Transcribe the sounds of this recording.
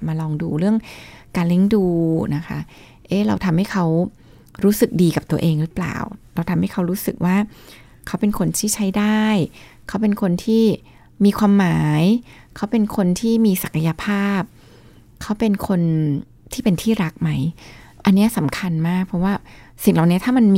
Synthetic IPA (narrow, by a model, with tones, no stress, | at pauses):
maː˧lɔː˧ŋduː˧ɾɯ˥˩əŋkaː˧nle˦˥˩ŋduː˧na˦˥kʰa̰˦˥ | ʔeː˦˥ɾa̰˧wt̪ʰa˧mha˥˩jkʰa˦˥w | ɾuː˦˥sɯ˨˩k̚diː˧ka˨˩p̚t̪u˧ɐʔeː˧ŋɾɯ˦˥pla̰ː˨˩wɾa˧wt̪ʰa˧mha˥˩jkʰa˦˥wɾuː˦˥sɯ˨˩k̚waː˥˩ | kʰa˦˥wpe˧nkʰo˧nt̪ʰiː˥˩t͡ɕʰa˦˥jdaː˥˩j | kʰa˦˥wpe˧nkʰo˧nt̪ʰiː˥˩ | miː˧kʰwaː˧mːaː˩˦j | kʰa˦˥wpe˧nkʰo˧nt̪ʰiː˥˩miː˧sa˨˩kʰa˧ja˧pʰaː˥˩p̚ | kʰa˦˥wpe˧nkʰo˧n | t̪ʰiː˥˩pe˧nt̪ʰiː˥˩ɾa˦˥k̚ma˦˥j | ʔa˧nːi˦˥ɐʔsa˩˦mkʰa˧nmaː˥˩k̚pʰɔ˦˥waː˥˩ | si˨˩ŋla˨˩wni˦˥ɐt̪ʰaː˥˩ma˧nm